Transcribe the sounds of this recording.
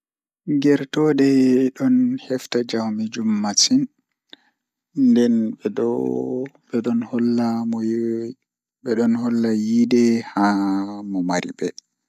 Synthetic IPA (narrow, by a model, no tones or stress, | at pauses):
ɡɛɾtɔdɛɗɔnhɛftad͡ʒawmid͡ʒumːatin | dɛnɛɔ | ɓɛɗɔnhɔlːamɔ | bɛɗɔnhɔlːajidɛhamɔmaɾḭbɛ